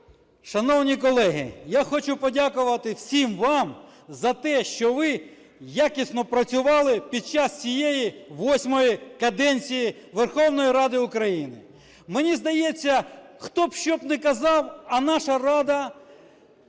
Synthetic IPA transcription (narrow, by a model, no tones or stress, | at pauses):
ʃɐnɔwnʲikɔlˠɛɦɪ̰jaxɔt͡ʃʊpɔdʲakʊʋɐt̪ɪwsʲimʋɑm | zɐt̪ɛʃt͡ʃɔʋɪ | jakʲisnɔpɾɐt͡sʲʊʋɑlˠɪpʲid̪̚t͡ʃast͡sʲijejiʋɔsʲmɔjikɐd̪ɛnʲt͡sʲijiʋerxɔwnɔjiɾɑd̪ɪʊkɾɐjinɪ̰ | menʲizd̪ɐjɛt͡sʲːɐxt̪ɔbʃt͡ʃɔbnɛkɐzɑwɐnɑʃɐrɑd̪ɐ